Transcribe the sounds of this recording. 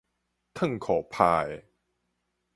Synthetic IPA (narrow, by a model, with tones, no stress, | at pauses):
t̪ʰɤ˥˩˨ŋkʰɔː˨˩˦pʰaː˧j